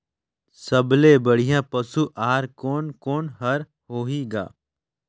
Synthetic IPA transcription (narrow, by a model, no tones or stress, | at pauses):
sɐblebɐɽ̤ijãpɐsuʔaːɾkoːnkoːnɦɐɾ | hoːɦiɡa̰ː